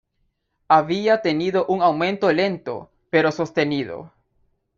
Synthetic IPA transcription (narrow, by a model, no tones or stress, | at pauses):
aβiat̪eniðoʔuŋawmẽnt̪olent̪o̰ | peɾosost̪eniðo̰